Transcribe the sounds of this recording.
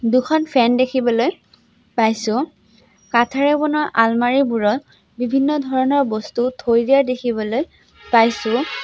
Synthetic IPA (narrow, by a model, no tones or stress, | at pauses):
dukʰɔnpʰɛndekʰibɔloj | pajsʊ̃ | katʰaɹɛbɔnɔɹʔalmaɹibuɹɔl | bibʱinːɔdʱɔɹɔnɔɹbɔstutʰojdijadekʰibɔloj | pajsʊ̃